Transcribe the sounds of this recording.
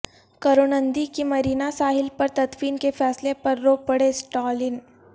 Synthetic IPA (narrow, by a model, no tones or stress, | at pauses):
kɐɾoːnənd̪ikimɐɾiːnasaːɦɪlpɐɾt̪ɐt̪wiːnkefɛːslepɐɾːopɐɽesʈɔːlɪn